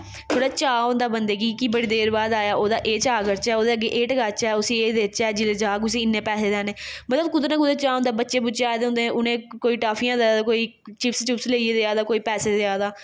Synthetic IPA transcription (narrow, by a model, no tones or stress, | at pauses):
t̪ʰoːɽaːt͡ʃaːõnd̪aːbənd̪eːɡiːkibəɽeːd̪eːɾbaːd̪aːjaːʔoːd̪aːʔeːt͡ʃaːɡəɾt͡ʃɛːoːd̪eːəɡːeːʔeːʈəɡaːt͡ʃɛːʊsĩːeːd̪eːt͡ʃɛːd͡ʒɪled͡ʒaːkʊs̬ĩːɪnːẽːpɛːseːd̪ɛːneːmət̪ləbkʊd̪eneːkʊd̪eːt͡ʃaːʊ̃nd̪aːbətːʃeːbʊt͡ʃeaːd̪eːʊ̃nd̪ẽːʊnẽːkoːiːʈaːfʰijãːd̪eaːd̪aːkoːiː | t͡ʃɪpst͡ʃʊpsleːieːd̪eaːd̪aːkoːiːpɛːseːd̪eːaːd̪aː